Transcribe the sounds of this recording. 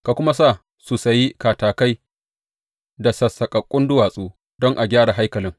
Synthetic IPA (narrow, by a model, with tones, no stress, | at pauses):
ka˨kʷʊ˦ma˦saː˦˨ | su˨sɐ˨jːi˦kaː˨taː˨ka˦j | da˨sɐ˨sːɐ˨kʼɐ˨kʷʼʊ˦ndʊ˦waː˨sʼuː˦ | dɔ˦ŋʔa˨ɡʲaː˦ɽa˨ɦa˦jkɐ˨lɪ˦ŋ